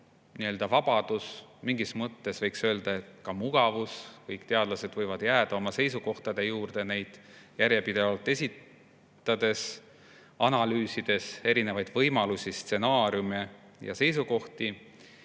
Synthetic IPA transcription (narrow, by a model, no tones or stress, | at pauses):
niø̞ld̪̥ɑvɑb̥ɑd̪̥usmiŋɡismɤt̪ːe̞svɤjksø̞ːld̪̥ɑe̞t̪kɑmuɡ̥ɑvuskɤjkt̪e̞ɑd̪lɑse̞d̪̥vɤjvɑd̪̥jæːd̪ɑo̞mɑse̞jsuko̞ht̪ɑd̪̥e̞juːrd̪e̞ne̞jd̪̥jæɾjepid̪̥e̞vɑlt̪ˑːe̞sʲit̪ | t̪ːˑɑd̪̥e̞s | ɑnɑlyːsid̪̥e̞se̞ɾine̞vɑjd̪̥vɤjmɑlusʲist̪se̞nɑːɾjume | jɑ̰se̞jsuko̞ht̪i